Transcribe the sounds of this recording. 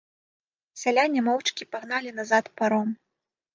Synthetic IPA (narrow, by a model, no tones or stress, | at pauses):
sʲalʲanʲɛmɔwt͡ʂkʲipaɣn̪alʲinazat̪paɾɔm